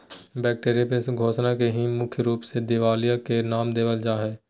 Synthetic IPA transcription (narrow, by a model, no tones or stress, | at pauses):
bɛːk̚ʈeːɾijapẽsɡʱoːʃnakeɦimʊkʰjəɾuːpsed̪ɪʋaːlijakenaːmd̪eːʋəld͡ʒaːɦɛ̃ː